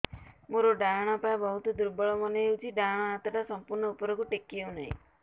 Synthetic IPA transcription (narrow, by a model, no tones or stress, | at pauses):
moɾoɖaɽ̃ɔpaabɔɦut̪ɔd̪uɾbɔɭɔmɔneeut͡ʃʰiɖaɽ̃ɔat̪ɔʈasɔmpuɾɳɔupɔɾɔkuʈekːiewnaɦḭ̃